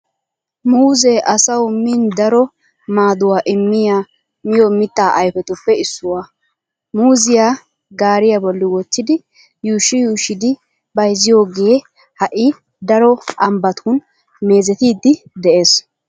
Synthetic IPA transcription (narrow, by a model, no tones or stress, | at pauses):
muːzɛʔɐsɐwʊmɪnd̪ɐɾɔ | maːd̪ʊwaːʔɪmːɪjaː | mɪjɔmɪt̪ːaːʔɐjfɛt̪ʊpːɛɪsːʊwaː | muːzɪjaː | ɡaːɾɪjabɔlːɪwɔt͡ʃːɪd̪ɪ | juːʃːɪjuːʃːɪd̪ɪ | bɐjzɪjo̞ːɡe | hɐʔɪ | d̪ɐɾɔɐmbɐt̪ʰuːn | me̞ːzɛt̪iːd̪ːɪd̪ɛʔe̞ːs